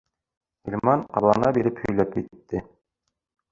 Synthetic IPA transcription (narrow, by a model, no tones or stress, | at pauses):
ilʲmɑnɑ̰ɾlˠɑ̰nɑbiɾɘphɵ̆jlæp̚kit̪ːɘ